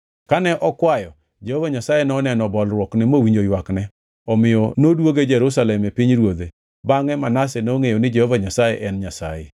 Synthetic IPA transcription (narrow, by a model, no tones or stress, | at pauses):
kanɛʔɔkwajɔ | d͡ʒehovaɲasajenɔnɛnɔbɔlɾwɔknɛmowiɲd͡ʒojwaknɛ | ɔmɪjɔnodwoɡed͡ʒɛɾusalɛmepiɲɾwod̪e | baŋɛmanas̬ɛnoŋejonɪd͡ʒehovaɲasajḛʔɛnɲasa̰je